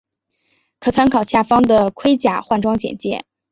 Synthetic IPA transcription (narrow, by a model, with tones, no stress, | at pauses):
kʰɤ˨˩t͡sʰa˧˥nkʰɑ˨˩ʊɕja˥˩fɑ˥ŋd̪ə˨kʰwe˥ɪt͡ɕja̰˥˩xwa˥˩nʈ͡ʂwɑ˥ŋt͡ɕjɛ̰˨˩nt͡ɕjɛ̰˥˩